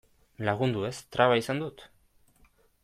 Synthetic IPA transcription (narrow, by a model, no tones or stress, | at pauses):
laɣ̞und̪uest̪ɾaβaisand̪ut̪